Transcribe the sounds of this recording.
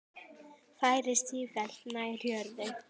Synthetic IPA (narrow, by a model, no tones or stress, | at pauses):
faːjɾɪst̪iːfɛl̥t̪naɪɾ̥jœɾðɪ